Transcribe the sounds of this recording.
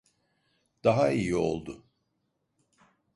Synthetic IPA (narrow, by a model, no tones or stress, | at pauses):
d̪̥aɦaijio̞̰lˠd̪ʊ